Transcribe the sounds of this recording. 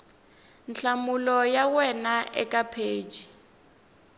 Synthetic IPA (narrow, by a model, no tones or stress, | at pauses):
nt͡ɬamulɔjawɛnaʔɛ̰kapʰeːd͡ʒi